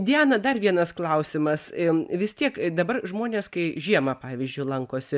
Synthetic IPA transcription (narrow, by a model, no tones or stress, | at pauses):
d̪ʲæːnɐd̪ɐrʋʲiɛnɐsklˠɐʊsʲɪmɐsʋʲɪst̪ʲiɛkd̪ɐbɐrʒmoːnʲeːskɐɪʒʲiɛmɐpɑːʋʲiɪzʲd͡ʒʲʊɪlˠɐŋkoːsʲɪ